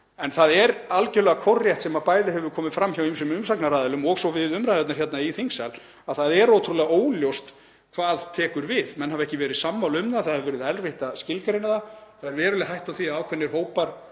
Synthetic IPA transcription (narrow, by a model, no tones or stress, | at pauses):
ɛnθaðɛɾalcɛlɛɣakʰɔrjɛjht̪sɛmapaːjðɪhɛvʏɾkʰɔːmɪfɾamːçawimsʏmʏmsaknaɾaːðɛlʏmɔɣsɔvɪðʏmɾajðɛt̪naɾ̥çɛt̪naiθiŋksal | aðθaðɛɾowt̪ʰɾulɛɣaoːwljowst̪ | kʰv̥aːðt̪ʰɛːkʏɾvɪðmɛnhavɛhcɪvɛːɾɪðsamːawlʏmnaθaðhɛvvɛːɾɪðɛlvɪht̪ascɪlkaɾɪnaðaθaðɛɾvɛːɾʏlɪɦajht̪awθiaaːwkʰvɛnːɪɾ̥ɦoːwpaɾ̥